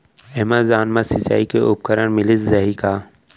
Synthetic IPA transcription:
ɛmazaːnmasɪt͡ʃa̰ːikeʔʊp̚kəɾənmɪlɪszɐɦikaː

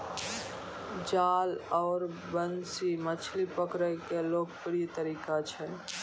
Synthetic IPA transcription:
d͡ʒaːlɔːɾbənsimət͡ʃʰlipəkɾəkeloːɡ̚pɾijt̪əɾiːkat͡ʃʰɛ

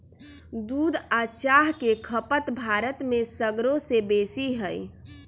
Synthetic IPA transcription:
d̪uːd̪at͡ʃaɦkekʰəpət̪bʱaɾət̪mesəɡɾosebesiɦəj

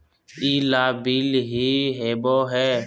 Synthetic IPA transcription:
iːlaːbiːlɦiːɦeːboːɦɛː

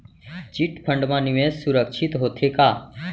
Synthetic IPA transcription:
t͡ʃiʈpʰə̃ɳɖmãːniʋẽssuɾəkʃɪt̪ɦoːt̪ʰekaː

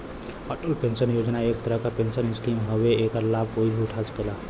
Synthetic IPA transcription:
əʈolpẽnsənjod͡ʒnaek̚t̪əɾəɦkapensənɪskimɦəweekəɾlab̚ʱkoibʱiuʈʰat͡ʃkela

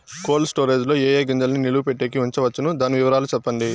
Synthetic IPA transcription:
ko̞ːlsʈoːɾeːd͡ʒlo̞ːeːjeːɡɐɲd͡ʒɐlniniluupeʈːeːkiʋuɲt͡ʃɐʋɐt͡ʃːɐnud̪aːniʋiʋɐɾaːlut͡ʃɛpːɐɳɖi

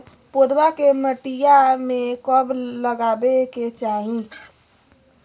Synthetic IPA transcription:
pod̪bakeməʈijamekəbləɡabeket͡ʃaɦĩ

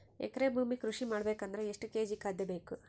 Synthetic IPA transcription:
ḛkːɐɾeːbʱuːmikɾuʂimaːɽɐbe̞ːkɐnd̪ɾeeʂʈuke̞ːd͡ʒikaːd̪ːɐbe̞ːku

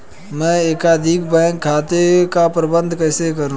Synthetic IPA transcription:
mɛ̃ːeːkad̪ʱikbɛ̃ːŋkʰːaːt̪ekapɾəbə̃nd̪ʱkəːsekəɾũ

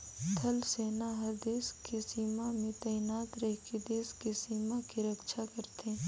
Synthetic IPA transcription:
t̪ʰɐlseːnaɦɐɾd̪eːskesiːmamẽt̪ɛːɪnaːt̪ɾɛɦked̪eːskesiːmakiɾəkʃʰakəɾt̪e

